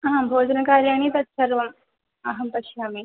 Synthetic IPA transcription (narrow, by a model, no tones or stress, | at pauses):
ɐmbʱoːd͡ʒɐnɐkaːɾjaːñiːt̪ɐt̪sɐɾʋɐm | ɐɦɐmpɐʃaːmiː